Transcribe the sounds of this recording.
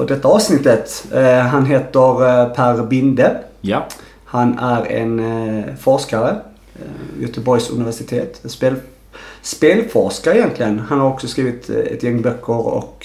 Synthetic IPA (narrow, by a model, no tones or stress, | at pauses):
ɔd̪ɛt̪ːəɑːʋsnɪt̪ːət̪ɦɑnɦeːt̪əɾpʰæɾbɪnd̪ə | hɑnæɾḛːnfɔɾskɑɾə | jœt̪əbɔʏsʉ̰nɪʋæʂɪt̪ʰḛːt̪speːl | speːlfɔɾskaɾɛjɛnt̪ʰlɪɡənhɑnhɑɾɔksɔskɾiːʋət̪ɛ̰t̪jɛŋːbœkʰːəɾɔ̰k